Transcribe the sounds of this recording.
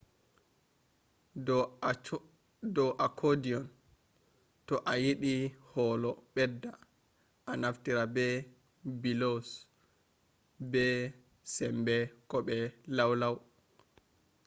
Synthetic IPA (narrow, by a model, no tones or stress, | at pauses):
dɔʔakʰodiɔn | tɔʔajiɗihɔːlɔɓɛdːa | ʔanaftiɾabɛ | bilos | bɛ | sɛmbɛkɔɓɛlawlaw